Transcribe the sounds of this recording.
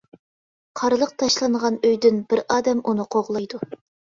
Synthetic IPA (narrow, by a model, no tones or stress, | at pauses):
qʰɑɾɨlˠəq̚t̪ʰɑʃlˠɑɴʁɑnøjd̪ynbɪɾɑːd̪ɛmʔunɨqʰoʁlˠɑjd̪u